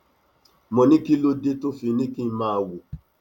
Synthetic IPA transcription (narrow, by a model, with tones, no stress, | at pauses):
mɔ̃˨nĩ˦ki˦lo˦de˦to˦fi˧˦nĩ˦ki˦mãː˦˨wu˨